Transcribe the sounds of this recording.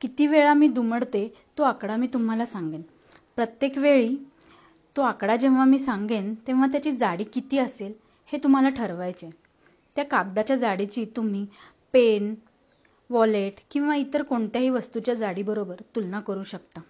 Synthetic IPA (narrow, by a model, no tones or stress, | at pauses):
kit̪iːʋeɭamiːd̪uməɽt̪e | t̪oakɽamiːt̪um̤alasãŋɡen | pɾət̪jekʋeɭiː | t̪oakɽad͡ʑẽʋ̃ʋamiːsãŋɡent̪ẽʋ̃ʋ̤at̪jat͡ɕiːd͡zaɽiːkit̪iːəsel | het̪um̤alaʈʰəɾʋajt͡se | t̪jakaɡd̪at͡ɕjad͡zaɽit͡ɕiːt̪um̤iː | pen | ʋɔleʈkĩw̃ʋait̪əɾkoɳt̪jaɦiːʋəst̪ut͡ɕjad͡zaɽiːbəɾobəɾt̪ulnakəɾuːɕəkt̪a